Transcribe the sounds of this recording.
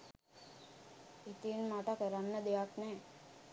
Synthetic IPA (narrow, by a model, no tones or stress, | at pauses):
et̪inmaʈakeɾanːəd̪ejaknɛː